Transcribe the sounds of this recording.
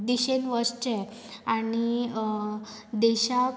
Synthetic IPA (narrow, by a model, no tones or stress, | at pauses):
d̪iɕelʋəɾst͡ɕɛ | añi | d̪eɕa